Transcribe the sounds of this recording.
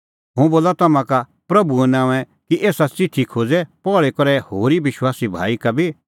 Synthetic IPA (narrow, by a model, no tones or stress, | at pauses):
ɦʊ̃ũboːlat̪ɐmãka | pɾɐbuɛ̃nãːɛ̃ | kiʔeːsat͡sɪʈʰikʰoːd͡zɛpɔːɭekɔɾɛhoːɾiʋɪʃwaːsibʱa̰ːikabʱi